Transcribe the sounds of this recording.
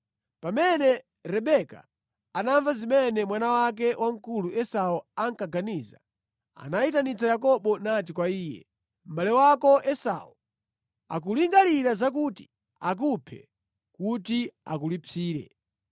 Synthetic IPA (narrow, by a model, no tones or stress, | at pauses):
pamɛnɛ | ɾɛɓɛka̰ː | naɱvazimɛnɛmwanawak̬ɛwʔaŋ̩kuluʔɛsaɔaŋkaɡaniːza̰ | a̰naitanit͡sʰajakɔɓɔnat̬ikwaiːjɛ̰ | m̩balɛwakɔʔɛsa̰wɔ | a̰k̬uliŋɡaliɾazak̬uti̥ | ak̬upʰɛ̰ | kut̬ia̰k̬ulipʰiːɾɛ̰